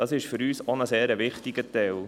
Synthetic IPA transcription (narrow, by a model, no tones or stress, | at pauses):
d̥ɑsɪʃfʏɾyːsonəseːɾəʋɪχtiɡət̪ɛl